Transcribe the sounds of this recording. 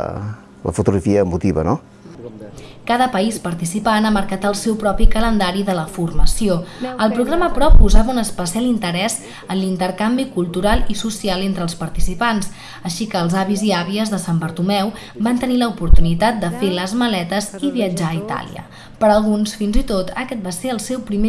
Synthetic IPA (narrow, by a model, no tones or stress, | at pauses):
lə̰fut̪uɣɾəfiəːmut̪iβə̰no | kaðəpəispəɾt̪isipanaməɾkat̪əlˠsɛwpɾɔpikələnd̪aɾiðələfurməsioəlˠpɾuɣɾaməpɾɔpːuzaβəunəspəsialint̪əɾɛz | ənlint̪əɾkambikulˠt̪uɾalˠisusialˠent̪ɾəːlˠspəɾt̪isipans | əʃikəːlˠzaβiziaβiəzðəsambəɾt̪umɛw | bant̪əniləupuɾt̪unit̪at̪̚d̪əfeləzməlɛt̪əziβiəd͡ʒaːit̪a̰lḭə̰ | pəɾəlˠɣunsfinzit̪ot̪əkɛt̪̚baseəlˠsɛwpɾime